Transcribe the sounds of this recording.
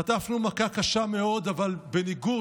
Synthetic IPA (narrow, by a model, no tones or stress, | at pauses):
at̪afnumakakaʃame̞o̞d̪avalbe̞niɡu